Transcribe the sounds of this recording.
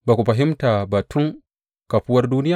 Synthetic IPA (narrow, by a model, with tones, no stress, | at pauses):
ba˨kʷu˨ɸɐ˨ɦi˦mta˨ba˨tu˦ŋ | ka˨ɸu˦wɐ˦rduː˦nɪ˦ja˨